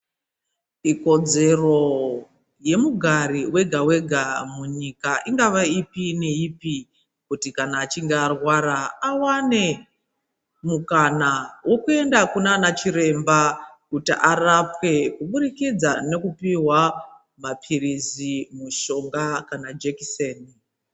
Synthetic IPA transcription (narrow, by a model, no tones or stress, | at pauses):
iko̞d͡ze̞ro̞ | je̞muɡʱaɾiwe̞ɡʱawe̞ɡʱamuɲikaʔiŋɡaʋaipine̞ipi | kutikanaːt͡ʃiŋɡeːrwaraawane̞ | mukanawo̞kue̞ndakunanat͡ʃiɾe̞mba | kutiʔarapwe̞kuɓuɾikid͡zane̞kupiwa | mapʰirizimuʃo̞ŋɡakanad͡ʒekiseːni